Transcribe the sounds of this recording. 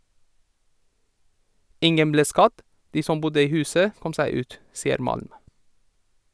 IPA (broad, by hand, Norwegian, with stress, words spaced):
ˈɪŋən ˈbleː ˈskɑd ˈdiː ˈsɔm ˈbʊdə ˈiː ˈhʉːsə ˈkɔm ˈsæɪ ˈʉːt ˈsiːəɾ ˈmɑlm